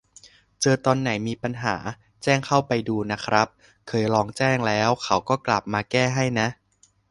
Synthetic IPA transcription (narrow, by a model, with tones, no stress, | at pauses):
t͡ɕɤː˧t̪ɔː˧nːa˩˦jmiː˧pa˧nɦa̰ː˩˦ | t͡ɕɛː˥˩ŋkʰa˥˩wpa˧jduː˧na˦˥kʰɾa˦˥p̚ | kʰɤː˧jɾɔː˧ŋt͡ɕɛː˥˩ŋlɛː˦˥wkʰa˩˦˥wkɔː˥˩kla˨˩p̚maː˧kɛː˥˩ɦa˥˩jna˦˥ʔ